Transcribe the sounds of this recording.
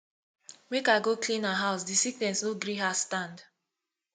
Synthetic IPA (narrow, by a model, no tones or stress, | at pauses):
mekaɡoklĩnaɦaʊsdisiknɛ̃nsnoɡɾiɦastãnd